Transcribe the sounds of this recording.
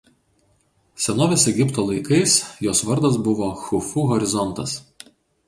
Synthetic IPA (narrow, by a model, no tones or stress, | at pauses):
sʲɛnoːʋʲɛsɛɡʲɪpt̪oːlˠɐɪkɐɪsjoːsʋɐɾd̪ɐs̬bʊʋoːxʊfuːɦɔɾʲɪzɔnt̪ɐs